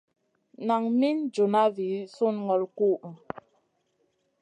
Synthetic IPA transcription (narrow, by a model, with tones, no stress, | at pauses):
na˨ŋmi˦nd͡ʒu˨na˦vi˨˦su˦˨nŋɔ˨lku˦˨